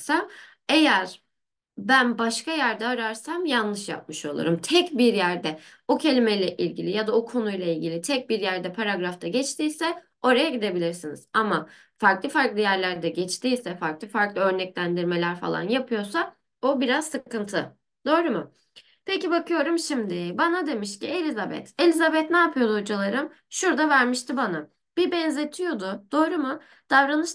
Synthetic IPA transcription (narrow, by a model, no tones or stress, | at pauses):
sa | e̞jæɾ̥ | bænbaʃkajæɾd̪ɛːɾaɾsamjanlˠɯʃja̰p̚mɯʃo̞lˠṵɾumt̪ʰɛcbiɾjæɾd̪ɛ | ocʰe̞lʲimejlʲɛʔilʲɟilʲijad̪aokʰo̞nujlˠailʲɟʲilʲit̪ʰɛc̚biɾjæɾd̪ɛpʰaɾaɡɾaft̪ʰaɟɛt͡ʃt̪ʰiːsɛ | o̞ɾajaɟid̪e̞bilʲiɾsinḭz̥ama | faɾklˠɯfaɾklˠɯjæɾlʲæɾd̪ɛɟɛt͡ʃt̪iːjsɛfaɾklˠɯfaɾklˠɯø̞ɾnɛclʲænd̪iɾmelʲæɾfa̰lˠa̰njapʰɯjo̞sa | obiɾazsɯkɯnt̪ʰɯ | d̪o̞ːɾumʊ | pʰecibakɯjo̞ɾumʃimd̪ɪbanad̪e̞miʃcie̞lʲizabɛ̰t̪e̞lʲizabɛt̪naːpʰɯjo̞d̪uod͡ʒalˠaɾɯm | ʃuɾd̪avæɾmiʃt̪ʰibana | b̥ibɛnze̞t̪ʰijo̞d̪ʊd̪̥o̞ːɾumʊ | d̪̥avɾanɯʃ